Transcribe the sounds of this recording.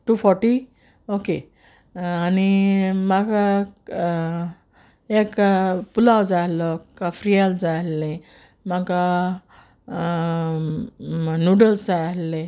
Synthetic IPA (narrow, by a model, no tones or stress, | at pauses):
ʈufɔɾʈi | oke | animaka | ekpulawd͡zalɔkafɾijald͡zalːẽ | maka | nuɖəlsd͡zalːẽ